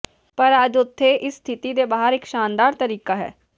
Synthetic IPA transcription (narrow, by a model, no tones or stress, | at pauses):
pəɾəd͡ʒʊt̪ʰːeːʔɪsːt̪ʰɪt̪iːd̪eːbaːəɾɪkʃaːnd̪aːɾt̪əɾiːkaːɦɛ̰ː